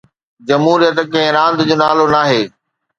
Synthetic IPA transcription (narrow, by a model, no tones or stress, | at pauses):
d͡ʑɐmɦuːɾijət̪kɐ̃ɦɪ̃ɾãːnd̪d͡ʑoːnaːlonaːɦeː